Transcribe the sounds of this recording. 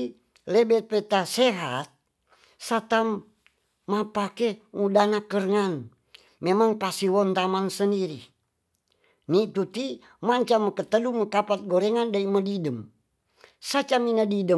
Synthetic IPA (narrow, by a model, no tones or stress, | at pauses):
lɛbɛt̪̚pɛt̪asɛɦat̪̚ | sat̪amː | apakeudanakərŋan | memaŋpasiwɔnt̪amansəndiɾi | nit̪ut̪i | maɲt͡ʃaməkət̪əluməkapat̪̚ɡoɾɛŋandaimədidəm | sat͡ʃaminadidə